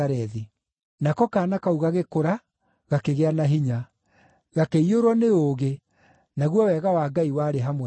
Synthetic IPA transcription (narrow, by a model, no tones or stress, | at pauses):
aɾɛði | nakɔkaːnakauɣaɣekoɾa | ɣakeɣeanaɦiɲa | ɣakeioɾwɔneoːɣe | naɣwɔwɛɣawaːɡaiwaːɾeɦamw